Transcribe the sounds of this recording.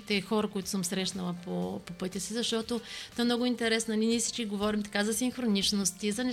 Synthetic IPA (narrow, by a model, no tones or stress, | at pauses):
it̪ɛxɔɾəkoit̪ʊ̥səmsɾɛʃnɐlˠɐpopopɤt̪ʲɐsizɐʃt̪ɔt̪ot̪oɛmnɔɡʊint̪ɛɾɛsnɐnʲinisit͡ʃkʲiɡovɔɾimt̪ɐ̥kazɐsimxɾonit͡ʃnost̪izɐnɛ